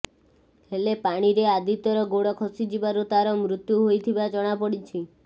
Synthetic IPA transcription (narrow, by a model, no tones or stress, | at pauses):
helepaɽ̃iɾead̪it̪ɔɾɔɡoɽɔkʰɔsid͡ʒibaɾut̪aɾɔmɾut̪juɦojt̪ʰibad͡ʒɔɽ̃apɔɽit͡ʃʰi